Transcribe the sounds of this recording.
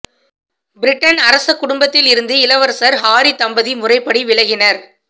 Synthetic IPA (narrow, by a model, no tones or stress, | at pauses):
bɪɾɪʈːɐnɐɾɐsɐkːʊɽʊmbɐt̪ːɪlɪɾɯnd̪ɯɪlɐʋɐɾsɐɾɦaːɾit̪ɐmbɐðimʊrɐɪpːɐɽiʋɪɭɐɣɪnɐɾ